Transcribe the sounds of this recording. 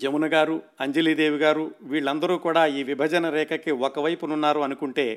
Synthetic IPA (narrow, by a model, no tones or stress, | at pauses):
d͡ʒemunɐɡaːɾuɐɲd͡ʒeliːd̪eːʋiɡaːɾuʋiːɭːɐnd̪ɐɾuːkuːɽaːiːʋibʱɐd͡ʒɐnɐɾɛːkɐkiɔkɐʋɐjpununːaːɾuɐnukuɳʈe̞ː